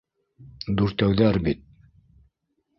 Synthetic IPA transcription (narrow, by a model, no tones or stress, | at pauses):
d̪uɾt̪æwðæɾbit̪̚